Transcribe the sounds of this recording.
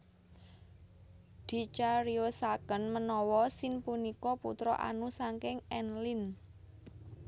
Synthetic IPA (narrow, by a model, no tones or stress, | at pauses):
d̪̥i̤t͡ʃaɾiosakənmənɔwɔsɪnpunikɔpṵt̪ɾɔ̰ʔa̰nusaŋkɪŋɛnlɪn